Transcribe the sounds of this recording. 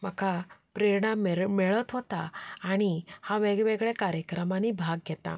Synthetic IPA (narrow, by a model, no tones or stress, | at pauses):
məkʰapɾeɾɳamɛɭət̪ɦɔt̪aːɽ̃ihaʋeɡʋeɡɭɛkaɾjəkɾəmanibʱaɡːɛt̪a̰